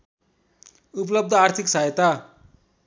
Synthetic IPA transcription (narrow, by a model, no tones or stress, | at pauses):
uplʌb̚d̪ʱʌart̪ʰiksaet̪a